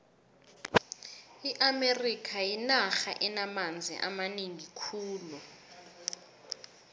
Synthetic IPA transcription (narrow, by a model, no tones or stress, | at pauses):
iʔamerikʰajinaxaʔɛnamand͡zʱḭʔa̰maniŋikʰuːlu